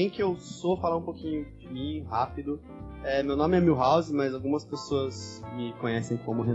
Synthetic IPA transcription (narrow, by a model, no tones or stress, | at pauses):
ẽj̃kɪewsofalaũpokĩɲʊd͡ʒɪmĩhapid̪ʊ | ɛmewnõmɪɛmiwɦawzɪmɐzawɡũmɐspesoɐsmɪkõɲɛsẽj̃kõmʊɦe